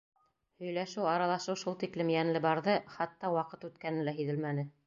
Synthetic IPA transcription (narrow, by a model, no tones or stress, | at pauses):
hɵ̆jlæʃɘwɑɾɑlˠɑʃɤwʃulˠt̪iklɘmjænlɘbɑɾðɤχɑt̪ːɑwɑqɤt̪ʉt̪kænɘlæɦiðɘlmænɘ